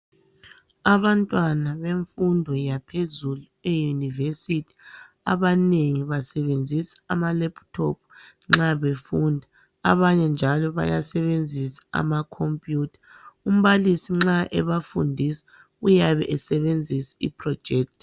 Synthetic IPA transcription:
aβantʼwanaβeɱfundʱɔjapʰezuluejunivesitʰi̥ | a̰βaneŋiβasɛβend͡zʱisḁamalɛptʰɔ̰p̚ʰ | ŋ͡ǁaβefundʱa | a̰βaɲɛnd͡ʒʱalɔβa̰ja̰sɛβend͡zʱisḁa̰makʰompʼjuːtʰḁ | um̩βalisiŋ͡ǁaʔɛβafundʱisḁ | ujaβɛʔɛsɛβend͡zʱisḁḭpʰʼrɔ̥d͡ʒ̥ʱɛːk̚tʰʼ

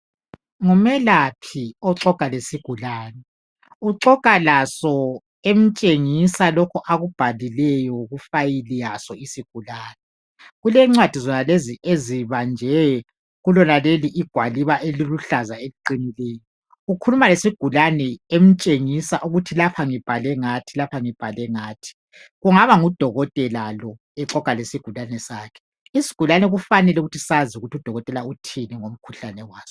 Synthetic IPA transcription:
ŋumɛlapʰiɔǁɔkʼalesiɡ̥ʱulaːnɛ | uǁɔkʼalasɔ | em̩t͡ʃʼeŋisalɔkʰɔʔaɣub̥ʱalilɛjɔɣufajilijasɔisiɡ̥ʱulaːnɛ | ɣulɛŋ͡ǀwad̥ʱizɔnaleziʔeziβand͡ʒʱɛ | ɣulɔnaleliʔiɡ̥ʱwaliβaʔeliluɬazaeliǃinileːjɔ | ɣukʰulumalesiɡ̥ʱulanɛem̩t͡ʃʼeŋisaʔuɣutʰilapʰaŋib̥ʱalɛŋatʰilapʰaŋib̥ʱalɛŋaːtʰi̥ | ɣuŋaβaŋud̥ʱɔɣɔtʼɛlalɔ | ɛǁɔkʼalesiɡ̥ʱulanɛsaːkʰɛ̥ | isi̥ɡ̥ʱulanɛɣufanɛlɛuɣutʰi̥sazuɣutiud̥ʱɔɣɔtʼɛlautʰinɛŋom̩kʰuɬanɛwaːz̥ɔ

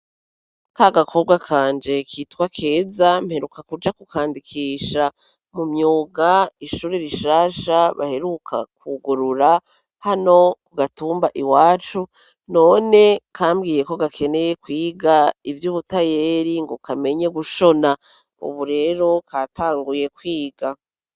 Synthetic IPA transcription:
kaɡakʰo̞bɡwakʰaːnd͡ʒe̞kʰiːtwakʰe̞ːzamhe̞ɾukakud͡ʒakukaːndikʰiːʃa | mumɲuːɡaiʃuːɾeɾiʃaːʃaβa̰he̞ɾukʰa̰kuɡuɾuɾa | hano̞kuɡatuːmbaʔiwaːt͡ʃu | no̞ːne̞kʰaːmɡiːje̞ko̞ɡakʰe̞ne̞jekwiːɡaivjuːβutaje̞ːɾiŋɡokame̞ɲe̞ɡuʃo̞na | ṵβuɾe̞ːɾo̞kataːŋɡuje̞kwiːɡa

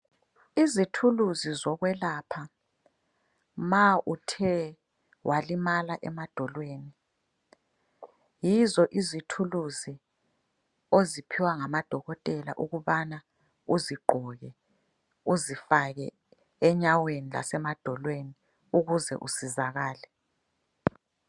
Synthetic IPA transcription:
izitʰuluzizɔɣwɛlapʰa | maʔutʰɛ | wʔalimalaʔɛmad̥ʱɔlweːni | jizɔʔizitʰuluzi | ozipʰiwaŋamad̥ʱɔɣɔtʼɛla̰ʔuɣuβana | uziɡ͡ǃʱɔɣɛ | uzifaɣɛ̰ | ɛɲawenila̰sɛmad̥ʱɔlweni | uɣuzɛ̰ʔusizaɣaːlɛ

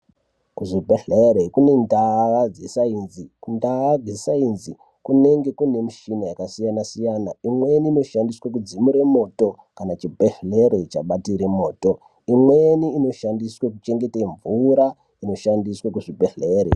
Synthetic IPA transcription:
kuʐibʱeɬeɾekune̞ndaʋad͡zisainzikundaad͡zisainzi | kune̞ŋɡe̞kune̞miʃinajakasijanasijanaimwe̞niːno̞ʃandiswakud͡zimuɾe̞mo̞ːto̞ | kanat͡ʃibʱeɬle̞ɾe̞t͡ʃaɓatiɾemo̞ːto̞ | imweniːno̞ʃandiswek̬ut͡ʃe̞ŋɡe̞teɱvuɾa | ino̞ʃandiswakuʐibʱeɬeɾḛ

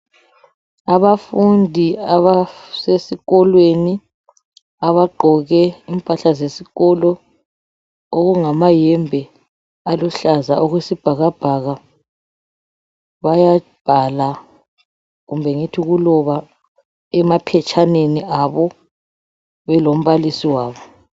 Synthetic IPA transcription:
aβafundʱiaβasesiɣɔlweni | aβaɡ͡ǃʱɔɣɛimpʼaɬazesiɣɔlɔ | oɣuŋamajɛmbʱɛ | aluɬazaʔɔɣwesib̥ʱaɣab̥ʱaɣa | βajab̥ʱala | ɣumbʱɛŋitʰiɣulɔβa | ɛmapʰɛt͡ʃʰʼaneniʔaβɔ | βɛlom̩βalisiwaːβɔ

